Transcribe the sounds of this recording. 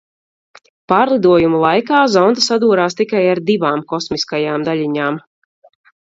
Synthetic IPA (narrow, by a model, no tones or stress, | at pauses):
paːɾlˠid̪uɔjumulˠajkaːzɔnd̪əsad̪uːɾaːst̪ikajaɾd̪ivaːmkɔsmiskajaːmd̪aʎʲiɲaːm